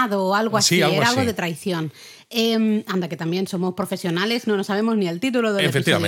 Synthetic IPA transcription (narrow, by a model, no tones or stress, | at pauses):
aðoːalɣoasiiaeɾaalɣoðet̪ɾajθjõn | emand̪aket̪ambjẽnsomospɾofesjonaleznõnosaβ̞emoznielt̪it̪̬uloðeefekt̪iβ̰